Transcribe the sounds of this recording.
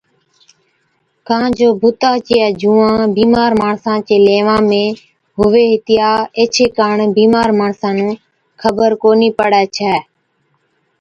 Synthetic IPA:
kãːd͡ʒoːbʱʊt̪aːt͡ʃijɛːd͡ʒũːãːbiːmaːɾmaːɳsãːt͡ʃeːleːʋãːmẽː | ɦʊʋeːɦɪt̪ɪjaːeːt͡ʃʰeːkaːɳbiːmaːɾmaːɳsãːnũː | kʰəbəɾkoːniːpəɽɛːt͡ʃʰɛː

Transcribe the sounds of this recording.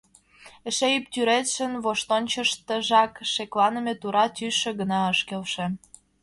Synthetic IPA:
eʃejyp̚t̪ʲyɾet̪ʃə̆nβoʃt̪onʲt͡ɕəʃt̪ə̆ʒɑkʃeklɑnə̆met̪uɾɑt̪yʃĕɡənɑəʃkelʃĕ

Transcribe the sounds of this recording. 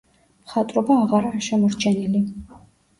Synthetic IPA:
mχat̪ʼɾɔbaːʁaɾaɾaʃɛmɔɾt͡ʃʰɛnili

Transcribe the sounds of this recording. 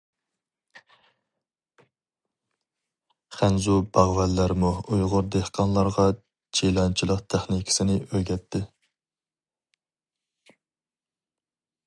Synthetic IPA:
χænzubɑʁvɛlːæɾmuujʁʊɾd̪ehqʰɑnlˠɑɾʁɑ | t͡ʃʰilˠɑnt͡ʃʰilˠəqt̪ʰæχnikʲʰi̥sɪnɪʔøɾɡʲɛt̪ʰːɪ

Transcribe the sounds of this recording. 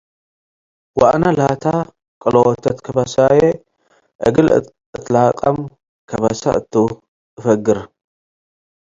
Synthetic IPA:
waʔnalat̪ʰa | kʼɨlowɔt̪ʰɐt̪kʰɐbasaje | ʔɨɡɨl | ʔɨt̪laqʼɐm | kʰɐβasa̰ʔɨt̪ʰːɨ | ɨfɐɡɨɾ

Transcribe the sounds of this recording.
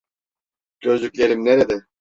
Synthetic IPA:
ɟ̥øzlʲycʲlʲeɾimneɾed̪ɛ

